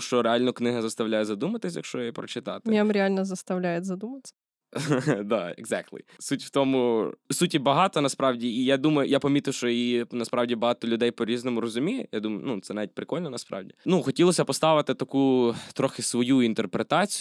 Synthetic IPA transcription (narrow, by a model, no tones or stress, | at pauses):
ʃt͡ʃɔɾeɑlʲnɔknɪɦɐzɐst̪ɐwlʲajɛzɐd̪umɐt̪ɪsʲjɐkʃt͡ʃɔjjipɾɔt͡ʃɪt̪ɑt̪ɪ̥mjamɾʲɪalʲnɐzɐst̪ɐwlʲajezɐd̪umɐsʲɐ̥ | d̪ɑḛɡzɛk̚t̪lˠḭsutʲw̥t̪ɔmʊsutʲibɐɦɑt̪ɔnɐspɾɑwdʲiijad̪umɐjʊjapɐmʲit̪ɪwʃt͡ʃɔinɐspɾɑwdʲibɐɦɑt̪ɔlʲʊd̪ɛjpɔɾʲiznɔmʊɾɔzʊmʲijɛjad̪umɐjʊ̰nut̪sɛnɑʋʲit̚ʲpɾɪkɔlʲnɔnɐspɾʔɑ̰wdʲinuxɔtʲilˠɔsʲɐpɔst̪ɑʋɪt̪ɪt̪ɐkut̪ɾɔxɪsʋɔjuint̪erpɾet̪ɑt͡sʲi